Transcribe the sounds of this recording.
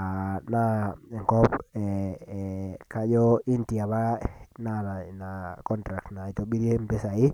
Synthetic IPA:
a˨naɛ˨ŋɡɔ˦pɛ | ka˦d͡ʒɔ˦i˦nti˨a˨ba˦na˨nakɔ˦ntɾa˨k̚tna˨i˨to˨ɓi˦ɾi˦e˦mbe˦sa˨i˦

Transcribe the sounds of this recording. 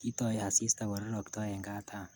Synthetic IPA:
i˦t̪ɔ˨je˦ha˨si˦st̪a˨wɔ˨ɾɾɔ˨kt̪ɔ˦je˨ŋɡaː˦t̪ʰa˦

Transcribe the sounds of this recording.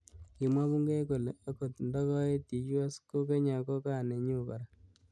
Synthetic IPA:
ki˨mwa˦βu˦ŋɡe˦ko˨le˨a˦ko˨tndɔ˦kɔ˦e˦ti˨ju˦a˦sko˦ke˦ɲa˨kɔ˦ka˦˨ne˨ɲu˦˨ka̰˨ɾa˨

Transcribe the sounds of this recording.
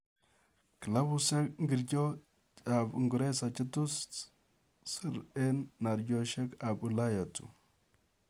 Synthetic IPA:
kə˨la˦bu˦sa˦k̚ŋ˦ɡi˨ɾɟo˦ | a˨bŋɡu˨ɾe˦sa˨t͡ʃi˦tu˦st | si˦˨ɾe˦nːa˨ɾɟo˦ʃe˦ka˨bu˨la˦ja˨tṵ˨

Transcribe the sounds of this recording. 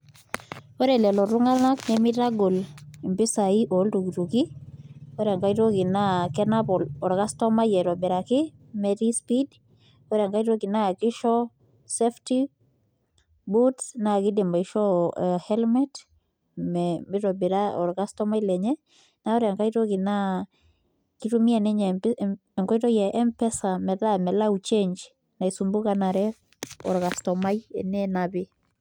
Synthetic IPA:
o˦ɾɛ˨lɛ˨lɔ˨ɾu˦ŋa˦lna˦knɛ˦mɪ˦ɾa˦ɡo˨li˨mbi˦sa˨i˦ʔo˨˦ltu˨ki˨ɾu˨ki˦o˦ɾa˨ŋka˦i˦ɾo˦ki˨na˦kɛ˦na˦pɔ˨lɔ˨ɾka˦stɔ˦ma˦jɛ˨ɾɔ˨bɛ˨ɾa˨kɪ˦ | mɛ˦ɾi˦spid | ɔ˦ɾja˨ŋka˦i˦ɾo˦ki˨na˦˨kɪ˦ʃɔ˦ | sɛ˦fti˦ | bu˦tna˦˨ɡɪ˦de˨mba˨iʃɔ˦hɛ˦lmɛt | mmɪ˦ɾɔ˨bi˨ɾa˦ɔ̰˨ɾɡa˦stɔ˦ma˦i˦lɛ˨ɲɛ˦ | na˦ɔ˦ɾɛ˨a˨ŋka˦ito˦ɡɪ˨na˦ | ki˦tu˦mi˦ɛ˨nɛ˦ɲɛ | ɛ˨ŋkɔ˦i˦tɔ˦jɛ˨ʔɛ˦mpɛ˦sa˨mɛ˨da˦mɛ˨la˦ut͡ʃe˦ɲd͡ʒ | na˨i˨sumbu˦ka˦na˨ɾɛ | ɔ̰˨ɾɡa˨stɔ˨ma˦iɛ̰˨nɛ˦na˨bɪ

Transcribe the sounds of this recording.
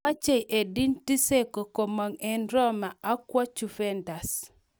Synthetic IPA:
a˦t͡ʃe˦˨jʔe˨di˦nti˦se˦ko˨ko˨ma˨ŋɛ˨nɾɔ˦ma˨ʔa˦kwa˦t͡ʃu˨fɛ˦nda˨s

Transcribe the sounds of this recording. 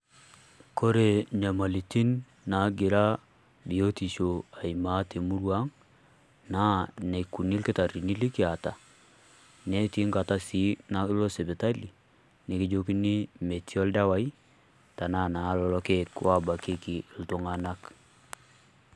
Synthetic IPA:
ko˦ɾe˨ɲa˨ma˨li˨ti˦nː | a˨˦ɡɪ˨ɾa˦ | bi˨o˦ti˨ʃo˨a˨i˨ma˨˦te˨mu˦ɾwa˦ŋ | na˦ne˨ku˨ni˦lkɪ˦ta˨ri˨ni˦li˦ki˦a˨ta˨ | nɛ˦ti˦ŋɡa˨ta˦si˨˦na˦lo˦se˨be˨ta˦li˨ | nɪ˨kɪ˦d͡ʒo˦ki˦ni˦me˨tʰi˦ɔ˦lda˦wa˦i˦ | ta˨na˦˨na˨˦lɔ˨lɔ˦ke˦˨kwʔa˦ba˨kɪ˦ki˨ltʊ˨ŋa˨na˦k

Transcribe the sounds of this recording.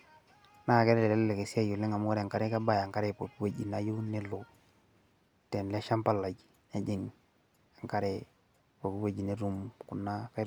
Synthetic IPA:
na˦˨ke˦ɾle˦le˨ke˨si˦a˦ju˨li˦ŋa˨mu˦ɾe˨ŋka˦ɾe˦ka˦ba˦ja˨ŋka˦ɾe˨po˨ki˦wa˨ɟḭ˨na˦ju˦ni˦lu˨ | te˨nle˦ʃa˦mpa˦lːa˨ɟ | a˦ɟi˨ŋ | a˨ŋka˦ɾe˦ | po˨ki˦wa˨ɟi˨ne˦ɾu˦mku˨nːa˦ka˦

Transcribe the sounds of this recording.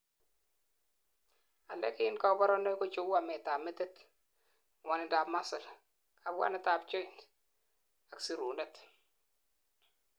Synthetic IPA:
a˨lɛ̰˦kɪ˦nka˦bɔ˦ɾɔ˦nɔ˦jkɔ˦t͡ʃu˦wa˨mɛ˨ta˨mɛ˦tɛ˦t | wa˨nɪ˨da˨ma˦sɪ˨l | ka˨bwa̰˦na˦ta˨bt͡ʃo˦i˦˨n | a˨ksi˦ɾu˨nɛ˦t

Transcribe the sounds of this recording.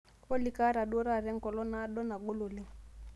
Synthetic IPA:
wɔ˦li˦ka˦ɾa˨ɗu˦ɔ˦ɾa˦˨ɾɛ˦ŋ̩˦kɔ˨lɔ˦na˦ɗɔ˦na˨ɡo˦lo˨le˦

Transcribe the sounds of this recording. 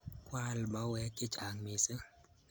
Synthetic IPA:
kwa˦lma˨˦wɛ˦kɪ˦t͡ʃa˨ŋmɪ˨sə˦

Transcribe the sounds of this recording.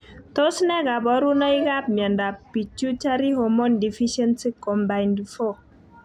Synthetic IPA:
to˦snɛ˦ɡa˨bɔ˨˦ɾu˦nɔ˦i˦ɡa˦p̚mjɛ˨nda˨pi˨t͡ʃu˦t͡ʃa˦ɾi˦ɦo˨mɔ˦ndi˨fi˦ʃɛ˦nsi˦kɔ˨mba˨i˨ndi˨fo˦

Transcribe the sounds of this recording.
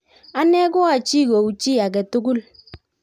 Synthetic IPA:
a˦nɛ˦kʊ˦a˨t͡ʃi˦˨ko˨u˨t͡ʃi˦a˨k̬ɛ˨tu˦ɡu˦l

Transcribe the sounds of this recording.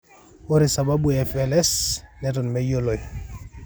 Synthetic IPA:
o˦ɾi˨sa˨ba˦bu˨ɛfɛlɛ˦snɛtɔ˨nmɛ˦jo˦lo˨j

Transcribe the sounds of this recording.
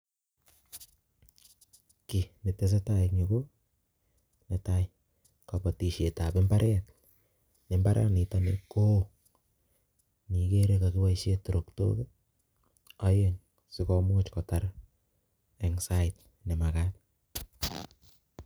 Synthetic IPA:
ki˨ne˨te˧s̬e˦ta˦ik̚ɲo˨ɡo˦ | ne˨ta˦j | ka˨pa˨ti˨ʃe˨ta˨pe˦mbaɾʔɛ˦t | nemba˦ɾʔɛ̰ː˦tni˨tɔne˨ko˦ | ni˨ke˦ɾe˧ka˨ki˦wa˦iʃeto˨ɾo˨kto̰˦ke | a˦je˦ŋ | sikɔ˨mu˦t͡ʃkɔ˨ta˦ɾ | e˨ŋsa˦ɪt | ne˨ma˨kat̚

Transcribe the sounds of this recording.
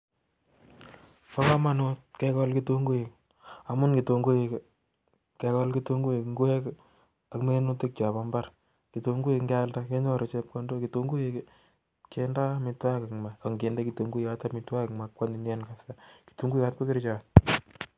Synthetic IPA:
pa˦ka˦ma˦no˦t̚kɛ˦kɔ˦lki˦to˦ŋɡu˦e˨k | a˨mʊ˦nki˨to˨ŋɡu˦e˨k | kɛ˨˧kɔ˦lki˦to˦ŋɡu˦e˨kŋɡu˦e˦k | akme˦nu˦tɪ˦k̚t͡ʃa˨ba˦mba˦ɾ | ki˨to˨ŋɡu˦e˨kŋɡa˦lda˦ke˦ɲɔ˦ɾo˨t͡ʃe˦p̚kɔ˦ndo˦ki˨to˦ŋɡu˦e˨k | ke˦nda˦mi˨twa˦ka˨ma˨ka˨ŋɡe˨nde˦ki˨to˨ŋɡu˦a˦ta˦pmi˨twa˦ka˨ma˨kkwa˦ni˨nɛ˦nkafsaki̥tu˨˦ŋɡu˦ja˦t̚ko˦ki˦ɾt͡ʃa˨t̚

